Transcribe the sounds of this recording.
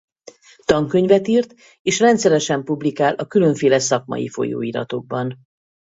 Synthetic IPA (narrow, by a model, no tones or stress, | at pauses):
t̪ɒŋkø̞ɲvɛt̪iːrt̪ | eːʃrɛnt̪sɛɾɛʃɛmpublikaːlʔɒkylø̞ɱfeːlɛsɒkmɒ̰jḭfo̞̰jo̰ːiːɾɒ̰t̪o̞ɡ̚bɒn